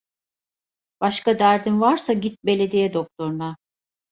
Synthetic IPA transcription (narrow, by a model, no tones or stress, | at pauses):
b̥aʃkad̪æɾd̪imvaɾsaɟit̪̚be̞lʲe̞d̪ijɛd̪o̞k̚t̪ʰo̞ɾuna